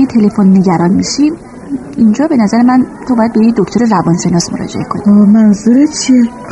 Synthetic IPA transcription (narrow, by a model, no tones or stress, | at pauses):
jet̪ʰe̞le̞fonːe̞ɟæɾɒːnmiʃi | ʔind͡ʒɒːbe̞næzæɾe̞mænt̪ʰobɒːjæd̪̚bejecd̪ocʰt̪oɾerævɒnʃe̞nɒːsmoɾɒ̰ːd͡ʒe̞̰ekʰo̞nimænzuɾet͡ʃʰi